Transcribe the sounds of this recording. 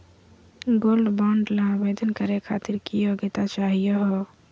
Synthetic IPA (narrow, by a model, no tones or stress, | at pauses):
ɡoːlɖbɔːɳɖlãbeːd̪ənkəɾekʰaːt̪iɾkijoɡet̪at͡ʃaːɦijɔɦɔ